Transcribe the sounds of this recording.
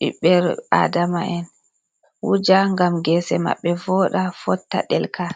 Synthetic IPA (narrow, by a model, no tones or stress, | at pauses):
ɓḭɓɛɾa̰damaʔɛn | wud͡ʒaŋɡamɡɛsɛma̰ɓːɛvɔɗafɔtːa̰ɗɛlkʰa